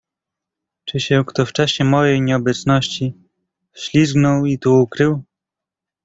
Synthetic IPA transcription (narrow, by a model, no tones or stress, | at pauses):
t͡ʂɘɕɛkt̪ɔft͡ʂaɕɛmɔjɛjɲɛɔbɛt̪snɔɕt͡ɕi | ɕlʲizɡnɔwit̪uukɾɘw